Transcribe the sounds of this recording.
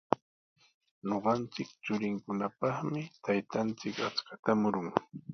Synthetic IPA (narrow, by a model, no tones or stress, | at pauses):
ɲoɢɑnt͡sɪkt͡ʃʊɾɪŋkʊnapɑχmɪt̪ajt̪ant͡sɪkat͡skat̪amʊɾʊŋ